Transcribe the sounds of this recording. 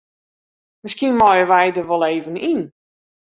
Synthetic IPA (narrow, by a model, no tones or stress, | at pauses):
mɪskiənmɔjəʋɛjdəʋɔlˠeːvənin